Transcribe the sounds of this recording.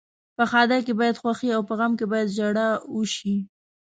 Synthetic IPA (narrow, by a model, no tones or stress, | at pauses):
pəxɑd̪akebɑjad̪xwaxiawpəɣamkebɑjad̪d͡ʒaɽauʃi